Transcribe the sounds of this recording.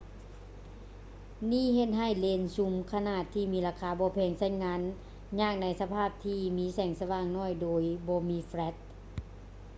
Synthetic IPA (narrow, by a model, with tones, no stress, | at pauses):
niː˥˨ɦe˧t̪̚ɦa˧˩jleː˧˩nsu˧˦mkʰa˧naː˧˩t̪ʰːiː˧˨miː˧˥laː˧˩kʰaː˧˦bɔː˧˦pʰɛː˧˩ŋsa˧˥˨jnŋaː˧˥n | ɲaː˧˩k̚na˧˥jsa˧pʰaː˥˩p̚t̪ʰiː˧miː˧˥sɛː˨˩ŋsa˧waː˧˩˨ŋnɔː˧˥˨jdoː˧˦jbɔː˧˦miː˧˥fɾɛ˧˦˥t̪̚